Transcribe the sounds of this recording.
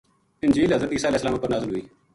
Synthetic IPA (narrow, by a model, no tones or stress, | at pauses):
ɪnd͡ʒiːlɦəzɾət̪iːsaːlɛːsːəlaːmʊpːəɾnaːzəlɦʊiː